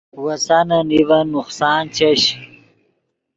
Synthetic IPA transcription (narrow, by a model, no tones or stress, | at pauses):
wɐsanɐnivɐnuχsaːnt͡ɕɐɕi